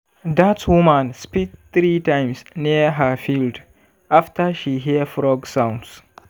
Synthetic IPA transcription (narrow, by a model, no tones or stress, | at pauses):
datswumãnspiθɾitãɪmsniəɦəfild | ʔaftəʃiɦifɹɔɡsãw̃nds